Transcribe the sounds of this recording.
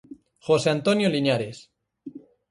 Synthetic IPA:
xoseant̪onjoliɲaɾes

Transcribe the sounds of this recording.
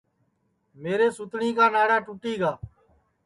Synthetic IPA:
meːɾeːsʊt̪ɳiːkaːnaːɽaːʈʊʈiːɡaː

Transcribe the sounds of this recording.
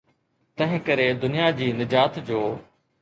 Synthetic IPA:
t̪ɐ̃ɦɪ̃kəɾed̪ʊnɪjad͡ʑiːnɪd͡ʑaːt̪d͡ʑoː

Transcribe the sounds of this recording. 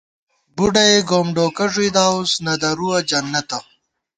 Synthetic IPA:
buɖɐeɡoːmɖoːkɐʐid̪aːusnɐd̪ɐɾuwɐd͡ʒɐnːɐt̪ɐ

